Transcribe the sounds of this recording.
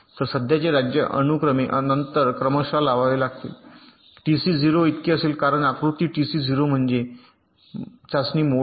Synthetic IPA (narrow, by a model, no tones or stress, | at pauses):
t̪əɾsəd̪ʱjat͡ɕeɾad͡ʑjəʔə̰nukɾəmeʔənənt̪əɾkɾəməɕalaʋaʋelaɡ̚t̪ḭl | ʈisiːd͡ziɾoit̪keəseːlkaɾəɳakɾut̪iːʈisiːd͡zʱiɾom̤əɳd͡ʑe | t͡ɕasniːmo